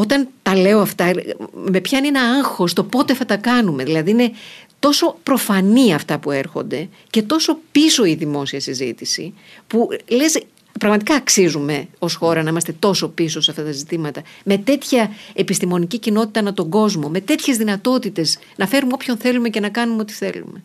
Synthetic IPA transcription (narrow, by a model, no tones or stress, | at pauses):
o̞t̪ɐnt̪ɐle̞o̞ɐft̪ɐme̞pçɐninɐɐŋxo̞st̪o̞po̞t̪e̞θɐt̪ɐkɐnume̞ðilɐðiine̞t̪o̞so̞pɾo̞fɐniɐft̪ɐpue̞ɾxo̞̰nd̪e̞ | ce̞t̪o̞so̞piso̞iðimo̞siɐsizḭt̪isḭ | pule̞s | pɾɐɣmɐt̪ikɐːksizume̞o̞sxo̞ɾɐnɐimɐst̪e̞t̪o̞so̞pisosɐft̪ɐt̪ɐzit̪imɐt̪ɐme̞t̪e̞t̪çɐe̞pist̪imo̞nicicino̞t̪i̥t̪ɐnɐt̪o̞ŋɡo̞zmo̞me̞t̪e̞t̪çe̞zðinɐt̪o̞t̪it̪e̞s | nɐfe̞ɾumeopço̞nθe̞lume̞ce̞nɐkɐnumeo̞t̪i̥θe̞̰lṵme̞